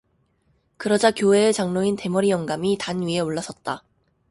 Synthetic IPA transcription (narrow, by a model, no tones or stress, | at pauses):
kɯɾʌd͡ʑakjoɦe̞ːt͡ɕaŋnointe̞mʌɾijʌŋɡamitanɥie̞oɭːas͈ʌt̚t͈a